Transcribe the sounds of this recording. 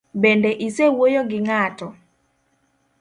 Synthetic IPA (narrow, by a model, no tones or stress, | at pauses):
bɛndɛʔisewojoɡɪŋatɔ